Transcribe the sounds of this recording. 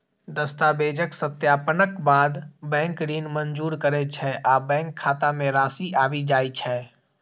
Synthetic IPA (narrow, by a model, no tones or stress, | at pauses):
d̪əst̪aːbeːd͡ʒəksət̪jaːpənəkbaːd̪bɛ̃ːŋkɾiːnmənd͡ʒuːɾkəɾɛt͡ʃʰɛʔaːbɛ̃ːŋkʰːaːt̪amẽɾaːsiʔaːbid͡ʒaːit͡ʃʰɛː